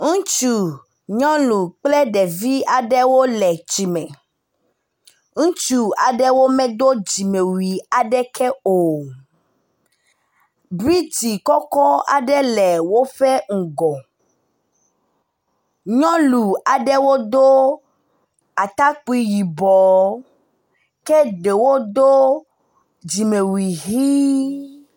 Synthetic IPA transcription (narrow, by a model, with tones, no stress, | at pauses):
ŋũ˦t͡ʃu˨ | ɲɔ̃˦lu˨k͡plɛ˦ɖɛ˨vi˦a˨ɖɛ˦wo˦lɛ˨t͡ʃi˨mɛ̃˨ | ŋũ˦t͡ʃu˨a˨ɖɛ˦wo˦mɛ̃˦d̪o˦d͡ʑi˨me˨wi˨a˨ɖɛ˦kʰɛ˦o˨ | bɾi˦t͡ʃi˨kɔ˦kɔ˦a̰˨ɖɛ˦lɛ˨wo˦ɸe˦ŋ̩˨ɡɔ˨ | ɲɔ̃˦lu˨a˨ɖɛ˦wo˦d̪o˦ | a˨t̪a˦k͡pi˦ji˨bɔ˨ | ke˦ɖe˨wo˦d̪o˦ | d͡ʒi˨mẽ˨wi˨ɦi˦